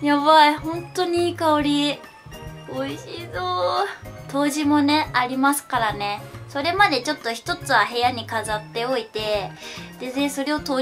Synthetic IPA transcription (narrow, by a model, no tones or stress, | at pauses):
jaβaihõ̞nt̪o̞ɲ̟iiːkaoɾʲi | oiɕiːzo | t̪o̞ːʑimo̞ne̞aɾʲimasɨ̥kaɾane̞so̞ɾe̞mad̪e̞t͡ɕo̞t̪ːo̞çi̥t̪o̞t͡sɨβaɦe̞jaɲ̟ikazat̪ːe̞o̞it̪e̞d̪̥ezẽɰ̃so̞ɾe̞o̞t̪o̞ː